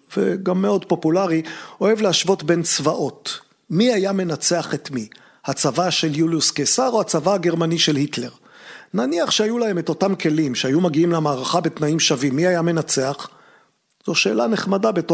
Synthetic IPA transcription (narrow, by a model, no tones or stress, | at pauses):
veɡamːeo̞dpo̞pulaʁio̞e̞vlehaʃvo̞tbe̞nt͡svaʔo̞t | miajame̞nat͡se̞aχetmi | hat͡savaʃe̞ljuliuskesaʁo̞hat͡savahaɡeʁmaniʃelhitle̞ʁ | naniaχʃeajulahe̞me̞to̞tamkʰe̞limʃeajumaɡiimlemaːʁaχabetnaimʃavimːiajame̞nat͡se̞aχ | z̥o̞ʃe̞ːlane̞χmadabe̞to